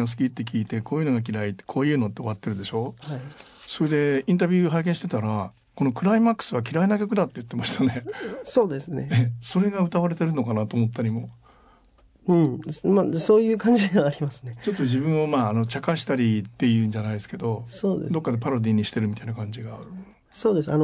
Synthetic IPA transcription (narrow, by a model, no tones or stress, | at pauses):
os̬ɨ̥kʲit̪ːe̞k̬ʲiːt̪e̞ko̞ːjɯ̟no̞ɡak̬ʲiɾait̪ːe̥kʰo̞ːjɯ̟ːno̞t̪ːe̞o̞β̞at̪ːe̞ɾɯ̟d̪e̞ɕo̞ːhai | so̞ɾe̞d̪e̞ĩnt̪̬abʲɯ̟ːɦaikẽɕi̥t̪et̪aɾa | ko̞no̞kɯ̟ɾaimakːɯ̥sɨβ̞akʲiɾainakʲo̞kɯ̟d̪at̪ːejɯ̟t̪ːe̞maɕi̥t̪ʰane̞so̞ːd̪esɨneeso̞ɾe̞ɡaɯ̟t̪aβaɾe̞t̪e̞ɾɯ̟no̞kanat̪o̞ːmo̞t̪ːaɾʲimo̞ | ɯ̟̃maso̞ːjɯ̟ːkãɲd͡ʑid̪e̞βaːɾʲimasɨnet͡ɕo̞t̪ːo̞ʑibɯ̟̃ɰ̃omaːno̞t͡ɕakaɕi̥t̪aɾʲit̪ːe̞jɯ̟ɲd͡ʑanaid̪esɨ̥ke̞d̪o̞soːd̪̰d̪o̞kːad̪e̞paɾo̞d̪ʲiːɲ̟iɕi̥t̪e̞ɾɯ̟mʲit̪ainakãɲ̟d͡ʑiɡaːɾɯ̟ | soːd̪esɨa̰no